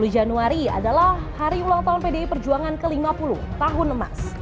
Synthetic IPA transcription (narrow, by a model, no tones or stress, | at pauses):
lud͡ʒanuaɾia̰dalaːaɾiulaŋt̪aɦʊnpedeipərd͡ʒuaŋankəlimapulʊ̰ht̪aɦʊnəma̰s